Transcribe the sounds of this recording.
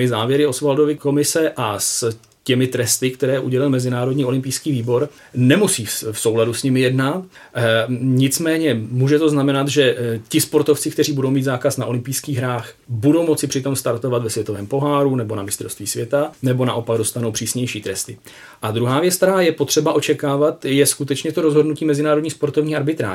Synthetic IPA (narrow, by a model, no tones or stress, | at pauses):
ɪzaːvjɛɾɪosvaldo̞vɪko̞mɪsɛʔas | cɛmɪt̪ɾɛst̪ɪkt̪ɛɾɛːʔṵɟɛlɪlmɛzɪnaːɾo̞dɲiːo̞lɪmpijskiːviːbo̞ɾ | nɛmusiːfso̞wladusɲɪmɪjɛdna | ɲɪt͡smɛːɲɛmuːʒɛt̪o̞znamɛnat̪ʒɛcɪspo̞ɾt̪o̞ft͡sɪkt̪ɛriːbudo̞wmiːd̪zaːkasnaʔo̞lɪmpijskiːɣɦɾaːx | budowmo̞t͡sɪpr̝̥ɪt̪o̞mst̪aɾt̪o̞vat̪vɛsvjɛt̪ovɛːmpo̞ɦaːɾunɛbo̞namɪst̪ɾo̞st̪viːsvjɛt̪anɛbo̞na̰ʔo̞paɡ̚do̞st̪anowpr̝̥iːsɲɛjʃiːt̪ɾɛst̪ɪ | ʔad̪ɾuɦaːvjɛt͡skt̪ɛɾaːjɛpo̞t̪r̥ɛbaʔo̞t͡ʃɛkaːvat̪jɛskut̪ɛt͡ʃɲɛt̪o̞ɾo̞zɦodnuciːmɛzɪnaːɾodɲixspo̞ɾt̪o̞vɲiːxaɾbɪt̪ɾa̰ː